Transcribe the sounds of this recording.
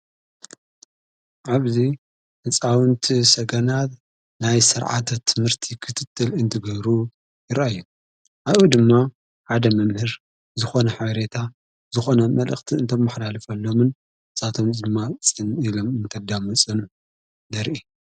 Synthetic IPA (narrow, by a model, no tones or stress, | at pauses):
ʕaβzi | ʔɨt͡sʼawɨnt̪ʰisɐɡɐnat̪ | najsɨɾʕa̰t̪ʰɐt̪ʰːɨmhɨɾt̪ʰikʰɨt̪ʰɨt̪ʰːɨlɨnt̪ʰɨɡɨhɾu | jɪɾajːu | ʔaβud̪ɨmːa | ħad̪ɐmɐmhɨɾ | zɨxo̞nɐħaβɐɾe̞t̪ʰa | zɨxo̞nɐmɐlʔɐ̰xt̪ʰiɨnt̪ʰomːɨħlalfɐlːo̞mɨn | sʼat̪ʰomd̪ɨmːat͡sʼɨnilo̞mɨnt̪ʰɐd̪amɐt͡sʼɨn | d̪ɐɾʔi